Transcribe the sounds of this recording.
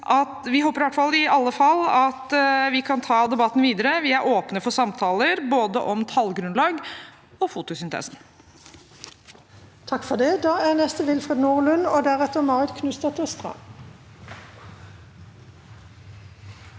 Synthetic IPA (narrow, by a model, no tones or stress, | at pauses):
ʔɑt̪ʋɪɦoːpəɾɪʋæʈːfɑlːɪɑlːəfɑlːɑt̪ʋɪkʰɑnt̪ʰɑːd̪ɛbɑt̪ːn̩ʋiːd̪əɾəʋɪæɾʔoːpnəfɔsɑmt̪ʰɑːləɾboːd̪ə̰ʔɔmt̪ʰɑlɡɾʉnlɑːɡ | ɔfuːt̪ʊsʏnt̪ʰɛ̰ːsn | t̪ʰɑkfɔʁd̪ɛd̪ɑːæʁnɛst̪əʋɪlfʁed̪nuːʁlʉnoːd̪æʁɛt̪ːəʁmɑːʁɪd̪kʰnʉst̪ɑt̪ʰəst̪ʁɑ̰